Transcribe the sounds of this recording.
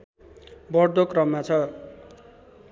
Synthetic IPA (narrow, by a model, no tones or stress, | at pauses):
bʌɽd̪okrʌmːat͡sʰʌ